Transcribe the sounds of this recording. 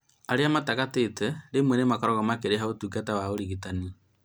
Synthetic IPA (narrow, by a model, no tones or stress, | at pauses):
aɾeamatakatetɛɾemwɛnemakɔɾɔɣamakeɾeɦaotuɡatawaoɾiɣitani